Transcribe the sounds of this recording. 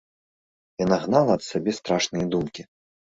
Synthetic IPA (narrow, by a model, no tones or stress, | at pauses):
janaɣnalˠɐːt̪sabʲɛst̪ɾaʂnɨjɐd̪umkʲi